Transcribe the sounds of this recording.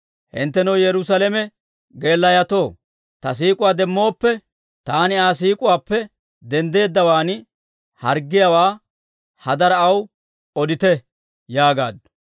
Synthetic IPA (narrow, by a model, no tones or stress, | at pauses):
hɪ̰nt̪ːɛnɐwjɛɾʊsɐlɛmɛ | ɡe̞ːlːɐjɐt̪o̞ː | t̪ɐs̬iːkʼʊwaːd̪ɛmːo̞ːpːɛ | t̪aːnɪaːs̬iːkʼʊwaːpːɛ | d̪ɛnd̪e̞ːd̪ːɐwaːn | hɐɾɡːɪjɐwaː | hɐd̪ɐɾɐɐw | ɔd̪ɪt̪ɛ | jaːɡa̰ːd̪